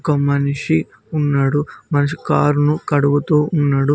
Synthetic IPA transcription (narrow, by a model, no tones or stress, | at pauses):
kɐmɐniʂi | unːaːɽumɐnɐʂ̬i̥kaːɾunukɐɽuʋut̪uːunːaːɽu